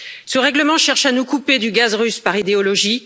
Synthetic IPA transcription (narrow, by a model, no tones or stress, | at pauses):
səʁɛɡləmɑ̃ʃɛʁʃanukuped̪yɡazʁyspaʁid̪eɔlɔʒi